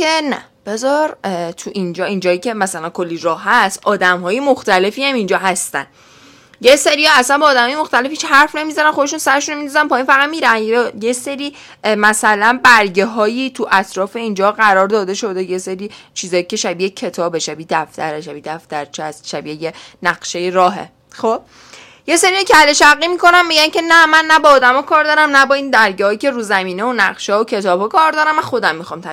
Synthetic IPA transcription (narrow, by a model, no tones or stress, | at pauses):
enæ̰b̥e̞zɒɾt̪ʰuʔind͡ʒɒːind͡ʒɒːjicʰe̞mæsælænkʰo̞lːiɾɒːhːæsʔɒːd̪æmɦɒːjemoxt̪æle̞fiːæmind͡ʒɒːɦæst̪æ̰n | je̞seɾiæsænbɒːd̪æmhɒːjmoxt̪æle̞fhit͡ʃhæɾfne̞mizænænxod̪eʃunsæɾe̞ʃunominɒzænpʰɒːjinfæɣæt̪miːɾænjese̞ɾiː | mæsælænbæɾɟeɦɒːjiːt̪ʰuʔæt̪ʰɾɒːfe̞ind͡ʒɒːɢæɾɒːɾd̪ɒːd̪e̞ʃo̞d̪e̞jeseɾiːt͡ʃʰiːzɒːjice̞ʃæbiːecʰe̞t̪ʰɒːbe̞ʃæbiːd̪æft̪ʰæ̰ɾeʃæbid̪æft̪æɾt͡ʃʰæst̪ʃæbiːejenæɣ̥ʃejeɾɒːɦḛ | xob̥ | je̞seɾiocʰeæleʃæɣːimiko̞nænmiɡɟæncʰe̞næmænːæbɒːd̪æmɒːkʰɒːɾd̪ɒːɾæmnæbɒːind̪æɾɟehɒːjice̞ɾuzæmiːneonæɣʃeocʰe̞t̪ʰɒːbhɒːkʰɒːɾd̪ɒːɾæmæxo̞d̪æmːixɒmt̪ʰæ